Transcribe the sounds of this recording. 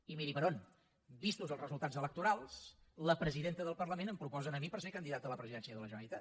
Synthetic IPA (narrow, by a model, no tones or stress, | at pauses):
imiɾipəɾon | bist̪uzəlˠzrəzulˠt̪ad͡zələkt̪uɾalˠsləpɾəziðent̪əðəlˠpərləmenəmpɾupɔzənəmipəɾseɾkənd̪iðat̪ələpɾəziðɛnsiəðələʒənəlit̪a